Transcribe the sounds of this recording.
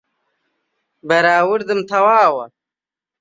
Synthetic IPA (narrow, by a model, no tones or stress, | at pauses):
bɐɾaːwuɾd̪ɨmt̪ʰɐwaːwɐ